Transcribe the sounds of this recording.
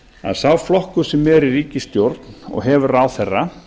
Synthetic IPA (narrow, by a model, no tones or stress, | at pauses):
a̰ðθawflɔhkʏ̥sɛmːɛɾiɾiːcɪst̪jowɾt̪nɔ̰ɣɦɛvʏɾraːwθɛrːa